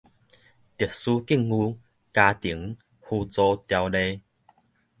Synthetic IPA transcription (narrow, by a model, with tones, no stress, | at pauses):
t̪i˨˩k̚su˧ki˥˩˨ŋu˧ | ka˧t̪i˨˩˦ŋ | hu˧t͡sɔ˧t̪ja˧wle˧˦